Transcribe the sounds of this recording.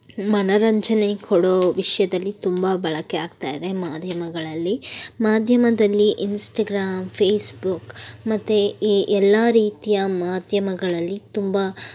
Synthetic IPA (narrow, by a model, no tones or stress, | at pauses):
mɐnɐɾɐɲt͡ʃɐnekʰɔɽoːʋiʂɐjɐd̪ɐlːit̪umbabɐɭɐkeaːɡ̚t̪aːjid̪e̞maːd̪ʱjɐmɐɡɐɭɐlːimaːd̪ʱjɐmɐd̪ɐlːiʔinsʈɐːɡɾaːmpʰeːsbukmɐt̪ːuiʔɛlːaɾiːt̪ijɐmaːd̪ʱjɐmɐɡɐɭɐlːit̪umba